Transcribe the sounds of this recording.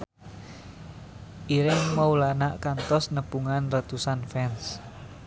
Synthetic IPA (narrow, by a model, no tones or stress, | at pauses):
ʔiɾɪŋmaulanaʔkant̪ɔsnəb̥uŋanrət̪usanfɛns